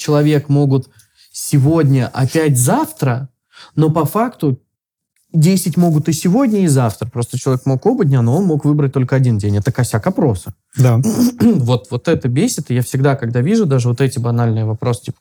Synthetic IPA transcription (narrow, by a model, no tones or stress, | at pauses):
t͡ɕɪlˠɐvʲe̞kmo̞ɡʊt̪ | sʲɪvo̞dʲnʲəʔɐpʲæt̬ʲzaft̪ɾə | no̞pɐfakt̪ʊ | dʲejsʲɪtʲmo̞ɡʊt̪ɨsʲɪvo̞dʲnʲəizaft̪ɾəpɾo̞st̪ət͡ɕɪlˠɐvʲekmoko̞bədʲnʲanoo̞nmo̞kvɨbɾət̚ʲt̪o̞lʲkəɐdʲindʲenʲɛt̪əkɐsʲakɐpɾo̞sə | d̪a | vo̞t̪vo̞t̪ɛt̪əbʲesʲɪt̪ɨjafsʲɪɡd̪akɐɡd̪avʲiʐʊd̪aʐɨvo̞t̪ɛtʲɪbɐnalʲnɨjəvɐpɾo̞stʲipə̥